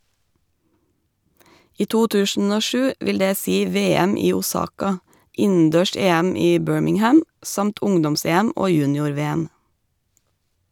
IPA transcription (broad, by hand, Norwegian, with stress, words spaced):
ˈiː ˈtuː ˈtʉːʃn̩ ˈoː ˈʃʉː ˈʔʋɪl ˈdeː ˈsiː ˈʋeːɛm ˈiː uːˈsɑːkɑ ˈɪn̩ˌdøːˈʃeːæm ˈiː ˈbøːɹmɪŋˌhæm ˈsɑmt ˈʊŋdɔmˌseːæm ˈoː ˈjʉːnɪʊɾˌʋeːəm